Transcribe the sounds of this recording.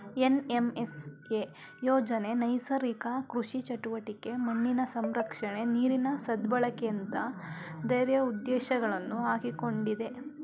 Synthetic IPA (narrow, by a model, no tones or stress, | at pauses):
enemese | jɔːd͡ʒɐne̞nɐjsɐɾikakɾuʂit͡ʃɐʈuʋɐʈike̞mɐɳːinɐsɐmɾɐkʂɐɳe̞niːɾinɐsɐd̪bɐɭɐkent̪ɐd̪ɐjɾjɐud̪ːɛːʃɐɡɐɭɐnːuɦaːɡiko̞ɳɖid̪e̞